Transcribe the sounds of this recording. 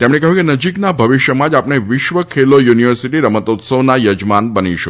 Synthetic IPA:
t̪emɽekəɦjũkenəd͡ʒiknabʱəʋiʃjəmãd͡ʒapɳeʋɪʃʋəkʰelojuniʋəɾsiʈiɾəmət̪ot̪səʋnajəd͡ʒmanbəniʃu

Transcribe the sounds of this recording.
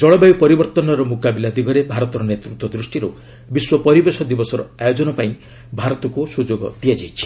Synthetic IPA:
d͡ʒɔɭɔbajwpɔɾibɔɾt̪ɔnɔɾɔmukabilad̪iɡɔɾebʱaɾɔt̪ɔɾɔnet̪ɾut̪wɔd̪ɾusʈiɾu | biswɔpɔɾibesɔd̪ibɔsɔɾɔ̰ajod͡ʒɔnɔpaĩ | bʱaɾɔt̪ɔkusud͡ʒoɡɔ̰t̪iad͡ʒajt͡ʃʰi̥

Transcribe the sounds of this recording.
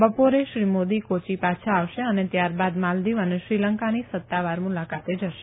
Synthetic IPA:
bəpoɾeʃɾimod̪ikot͡ʃipat͡ʃʰaːʋʃeənet̪jaɾbad̪mald̪iʋəneʃɾiləŋkanisət̪ːaʋaɾmulakat̪ed͡ʒəʃe̥

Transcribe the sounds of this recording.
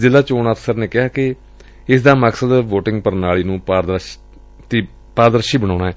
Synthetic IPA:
zɪlːaːt͡ʃoːnət̪səɾneːkɪɦaːkɪ | ɪsd̪aːməksəd̪ʋoːʈɪŋɡpəɾnaːɭiːnũːpaːd̪ | t̪iː | paːɾd̪əɾəʃiːbəɽ̃aːɽ̃aːɛː

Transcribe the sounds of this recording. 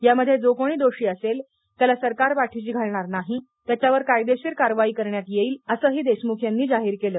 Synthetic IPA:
jaməd̪ʱːjed͡zokoɽ̃iːd̪oɕiːəsel | t̪jalasəɾkaɾpaʈʰit͡ɕiːɡʱaɭɳaɾnaɦi | t̪jat͡ɕaʋəɾkajd̪eɕeɾkaɾʋaiːkəɾɳjat̪jeiːləsəːɦiːd̪esmukʰjanːiːd͡zaɦiːɾkeləː

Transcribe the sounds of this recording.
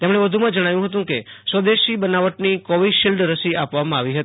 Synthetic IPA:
t̪emɽ̃eʋəd̪ʱumãd͡ʒəɽ̃aʋjũɦət̪̬ũkesəd̪eʃibənaʋəʈnikɔʋiʃilɖɾəsiapʋamãaʋiɦət̪i

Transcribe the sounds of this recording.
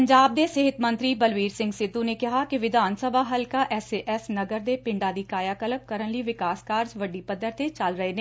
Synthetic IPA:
pəɲd͡ʒaːb̚d̪eːsɪɦɪt̪mə̃nt̪ɾiːbəlʋiːɾsɪ̃ŋɡsɪd̪ːuːneːkɪɦaːkɪʋɪd̪ʱaːnsəbʱaːɦəlkaːʔɛseʔɛsnəɡəɾd̪eːpɪ̃ɳɖaːd̪iːkaːjaːkələb̚kəɾənləiːʋɪkaːskaːɾd͡ʒʋəɖiːpəd̪ːəɾt̪eːt͡ʃəlɾəɦeːneː

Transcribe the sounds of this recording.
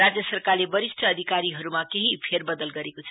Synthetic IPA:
ɾad͡zjʌsʌrkaɾlebʌɾisʈʰʌːd̪ʱikaɾiɦʌɾumakeɦipʰerbʌd̪ʌlɡʌɾekot͡sʰʌ

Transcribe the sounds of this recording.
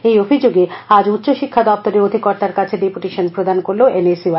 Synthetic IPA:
ejobʱid͡ʑoɡead͡ʑut̪ːɕoʃikʰːad̪ɔp̚t̪oɾeod̪ʱikɔɾt̪aɾkat͡ɕʰeɖipuʈiʃonpɾod̪ankoɾloʔenesia

